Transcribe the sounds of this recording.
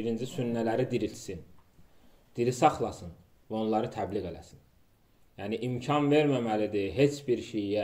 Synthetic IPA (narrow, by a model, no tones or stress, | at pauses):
iɾind͡ʒisynːælæɾid̪iɾilt̪sin | d̪̥iɾisɑχlˠɑsɯn | væo̞nlˠɑɾɯt̪ʰæbliɣe̞læ̰sin | jæːniʔimcʰɑnve̞ɾmæmælid̪iɦe̞t͡ʃʰbiɾʃejjæ